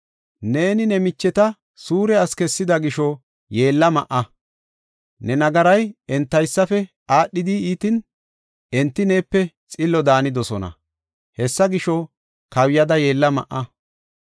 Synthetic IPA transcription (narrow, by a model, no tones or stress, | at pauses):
ne̞ːnɪnɛmɪt͡ʃːɛt̪ɐ | suːɾɛɐskɛsːɪd̪ɐɡɪʃɔ | je̞ːlːɐmɐʔɐ | nɛnɐɡɐɾɐjɛnt̪ːɐjsːɐfɛ | aːɗːɪd̪iiːt̪ɪn | ɛnt̪ːɪneːpːɛ | t͡sʼɪlːɔd̪aːnɪd̪ɔsɔnɐ̰ | hɛsːɐɡɪʃɔ | kɐwjɐd̪ɐje̞ːlːɐmɐ̰ʔɐ